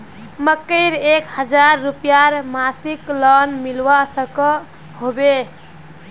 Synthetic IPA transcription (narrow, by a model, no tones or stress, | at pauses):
məkːəɪɾekhəd͡ʒaɾːupjaɾmasiklənmilwasəkə | hobe